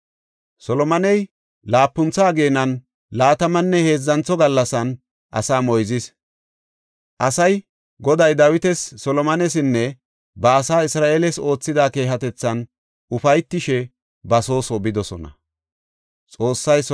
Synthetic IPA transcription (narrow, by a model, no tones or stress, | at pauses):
sɔlɔmɐnɛj | laːpːʊnt͡saːɡe̞ːnɐn | laːt̪ɐmɐnːɛhe̞ːzːɐnt͡sːɔɡɐlːɐsɐn | ʔɐ̰saːmɔjzɪs | ʔɐsɐj | ɡɔd̪ɐjd̪ɐwɪt̪ɛsːɔlɔmɐnɛs̬ɪnːɛ | bɐːsaːɪsɾaːʔeːlɛso̞ːt͡sːɪd̪aːke̞ːɦɐt̪ɛt͡sːɐn | ʔʊfɐjt̪ːɪʃɛ | bɐso̞ːsɔbɪd̪ɔsɔ̰nɐ̰ | t͡sʼo̞ːsːɐjs